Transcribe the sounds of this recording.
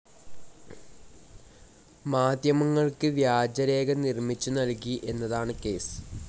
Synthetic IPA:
maːd̪ʱjɐmɐŋːɐɭkɨʋjaːd͡ʑɐɾe̞ːɡɐnirmit͡ɕːunɐlkiʔe̞nːɐðaːɳɨke̞ːsɨ̥

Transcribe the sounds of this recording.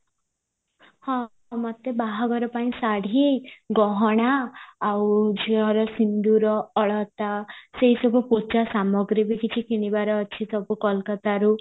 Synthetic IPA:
hɔ̃ | mɔt̪ebaɦɔɡɔɾɔpaĩsaɽ̤ʱiɡɔɦɔɽ̃aːwd͡ʒiɔɾɔsind̪uɾɔːɭɔt̪aseɦisɔbʱuput͡ʃasamɔɡɾibikit͡ʃʰikiɽ̃ibaɾɔːt͡ʃʰisɔbukɔlkat̪aɾu

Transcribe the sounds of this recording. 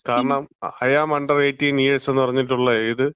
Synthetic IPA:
kaːɾɐɳɐmɐjaːmɐɳɖɐreːtːiniːeɭse̞nːɨpɐrɐɲːitʈːuɭːɐiðɨ

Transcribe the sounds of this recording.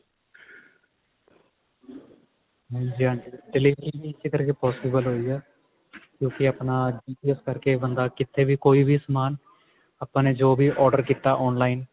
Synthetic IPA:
ɦɛ̃ːd͡ʒiːãːɳɖiːɖɪliːʋəɾiːbiːɪseːkəɾkeːpɔːsɪːbəlɦoːiːɛː | kjõːkɪaːpnaːd͡ʒiːpiəskəɾkeːbənd̪aːkɪt̪ʰːeːʋiːkoːiːʋʱiːsəmaːn | aːpãːneːd͡ʒoːbiːʔɔːɾɖəɾkiːt̪aːʔɔːnlaːiːn

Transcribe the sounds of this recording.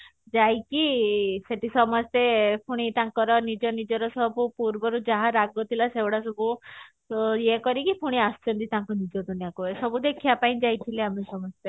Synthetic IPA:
d͡ʒajkiseʈisɔmɔst̪epʰuɽ̃it̪aŋkɔɾɔnid͡ʒɔnid͡ʒɔɾɔsɔbupuɾbɔɾud͡ʒaɦaɾaɡɔt̪ʰilasewɽasɔbu | jekɔɾikipʰuɽ̃iast͡ʃɔnt̪it̪ãŋkunid͡ʒɔd̪ʱunjakuesɔbud̪ekʰijapaĩd͡ʒajt̪ʰileamesɔmɔst̪e

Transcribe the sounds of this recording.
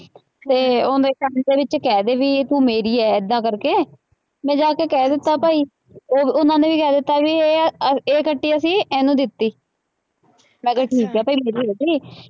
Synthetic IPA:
t̪eːoːd̪eːkənd̪eːʋɪt͡ʃkɛːd̪eːʋiːt̪ũːmeːɾiːɛːɪd̪ːãːkəɾkeː | mɛ̃ːd͡ʒaːkeːkɛːd̪ɪt̪ːaːpaːiː | oːʊnãːnẽːʋiːkɛːd̪ɪt̪ːaːbiːeeːkəʈːiːəsĩːɛːnũːd̪ɪt̪ːiː | mɛ̃ːɡəʈʰiːkɛːpaːiːmeːɾiːɦoːd̪iː

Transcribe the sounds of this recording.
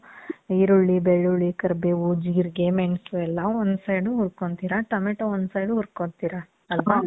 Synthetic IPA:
iɾuɭːibeɭːuɭːikɐɾbeːud͡ʒiːɾɡemeɳsuɛlːɐond̪sɐjɖuɦuɾkoɳt̪iːɾɐʈɐmeʈɐond̪sɐjɖuɦuɾkoɳt̪iːɾɐ | ɐlʋɐ

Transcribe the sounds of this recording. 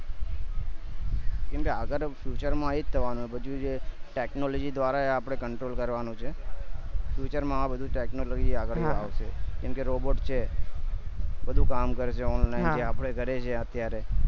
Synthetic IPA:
kɛmkeaɡəɾfjut͡ʃəɾmãɦid͡ʒt̪ʰəʋanũebəd͡ʒũd͡ʒeʈeknolod͡ʒid̪ʋaɾaeapəɽ̃ekəɳʈɾolkəɾʋanũt͡ʃʰe | fjut͡ʃəɾmãabəd̪ʱũʈeknolod͡ʒiaɡəɭiaʋʃekɛmkeɾoboʈt͡ʃʰe | bəd̪ʱũkamkəɾeʃeɔnlnajd͡ʒeapəɽ̃eɡʱəɾet͡ʃʰeət̪jaɾe

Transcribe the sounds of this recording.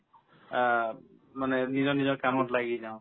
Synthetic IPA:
manenizɔnizɔkamɔtlaɡizaw̃

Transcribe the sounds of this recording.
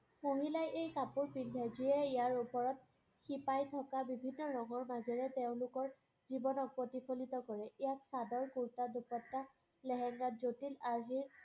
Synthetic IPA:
moɦilajʔejkapuɹpindʱɛziɛijaɹupɔɹɔt̚ | xipajtʰɔkabibʱinːɔɹɔŋɔɹmazɛɹɛteʊ̃lʊkɔɹ | zibɔnɔk̚potipʰolitɔkɔɹɛijaksadɔɹkuɹtadupɔtːa | lɛɦɛŋɡazotilaɹɦiɹ

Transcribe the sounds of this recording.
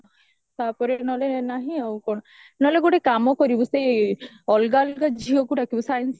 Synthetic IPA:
t̪apɔɾenɔlenaɦĩawkɔnɔ | nɔleɡoʈekamɔkɔɾibɔsej | ɔlɡalɡad͡ʒʱiɦɔkuʈʰakibɔsajns

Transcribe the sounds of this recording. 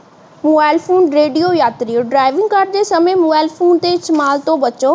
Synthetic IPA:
moːbaːɪlfoːnɖɾeːɖijojaːt̪ɾioɖɾaːɪʋɪ̃ŋɡkaːɾɖ̚d͡ʑeːsɐmẽmoːbaːɪlfoːnt̪eɪt͡ɕmaːlt̪obɐt͡ɕoː

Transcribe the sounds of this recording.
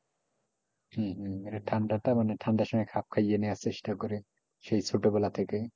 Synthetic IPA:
hɛ̃ɦĩeɾet̪ʰaɳɖat̪amanet̪ʰaɳɖaʃɔmajkʰap̚kʰajeneaseʃʈakɔɾe | ʃejt͡sʰoʈebɔlat̪ʰeke

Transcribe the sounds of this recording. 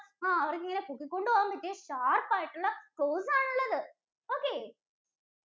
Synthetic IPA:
aːɐʋɐɾk̬ːiŋːɐnekukːikːoɳɖɯʋaːmpɐʈːeːɕaːrpːaːjiʈːuɭːɐkɭoːsaːɳuɭːɐðɨ | oːkːeː

